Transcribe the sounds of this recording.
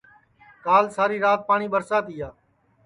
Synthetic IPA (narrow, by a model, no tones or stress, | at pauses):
kaːlsaːɾiːɾaːt̪̚paːɳiːɓəɾsaːt̪ɪjaː